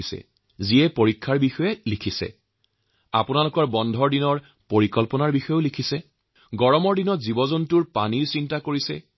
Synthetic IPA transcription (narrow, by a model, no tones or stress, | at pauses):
isɛ̰ | ziɛpoɹikʰːaɹbixɔjɛlikʰisɛ̰ | a̰punalukɔɹbɔndʱɔɹdinɔɹ | poɹikɔlpɔnaɹbixɔjoʊlikʰisɛ | ɡɔɹɔmɔɹdinɔtzibɔzɔntuɹpa̰niɹsintakoɹisɛ̰